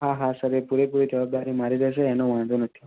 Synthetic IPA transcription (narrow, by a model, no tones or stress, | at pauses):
ɦaɦasəɾepuɾepuɾid͡ʒəbab̚d̪aɾimaɾiɾəseːnoʋaɳ̃d̪onət̪ʰi̥